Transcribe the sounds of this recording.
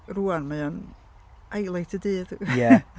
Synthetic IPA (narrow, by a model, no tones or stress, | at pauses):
ruːanmaan | ajlˠajtʰədɨːd̥jɛ